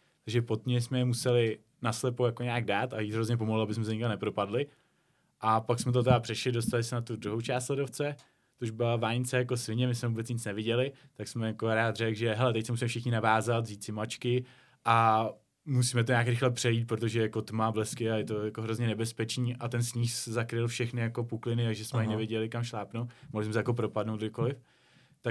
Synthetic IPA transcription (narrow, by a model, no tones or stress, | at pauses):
t̪aɡʒɛpo̞t̪̚mɲɛsmɛmusɛlɪ | naslɛpojako̞ɲaːɡdaːt̪ajiːt̪ɦɾo̞zɲɛp̬o̞moɦlabɪsmɛs̬ɛɲɪkamnɛpɾo̞padlɪ | ʔapaksmɛt̪̬ot̪ɛdapr̥ɛʃlɪdo̞st̪alɪsɛnat̪ud̪ɾuɦo̞wt͡ʃaːst̪lɛdo̞ft͡sɛ | t̪ouʒbɪlavaːɲt͡sɛjako̞sɪɲɛmɪsmɛvuːbɛt͡sɲɪt͡snɛvɪɟɛlɪ | t̪aksmɛjakoɾaːt̪rɛɡʒɛɦɛlɛt̪ɛc̚sɛmusiːmɛfʃɪxɲɪnavaːzat̪ziːt͡sɪmat͡ʃkɪ | ʔa | musiːmɛt̪o̞ɲaːkɾɪxlɛpr̝̥ɛjiːt̪̚pɾot̪̬o̞ʒɛjako̞t̪mablɛskɪajɛt̪ojako̞ɦɾozɲɛnɛbɛspɛt͡ʃniːʔat̪ɛnsɲiːszakɾɪlfʃɛxnɪjako̞puklɪnɪaʒɛsmɛaɲɪnɛvɪjɛɟɛlɪkamʃlaːpnowtmoɦlɪsmɛsɛjako̞pɾo̞padnowt̪ɡdɪko̞lɪf | t̪a